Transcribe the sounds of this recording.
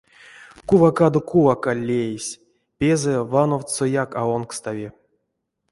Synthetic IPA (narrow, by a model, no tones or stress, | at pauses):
kuvakad̪okuvakalʲːejesʲ | pʲezɛvanowt̪sojakaonkst̪avʲi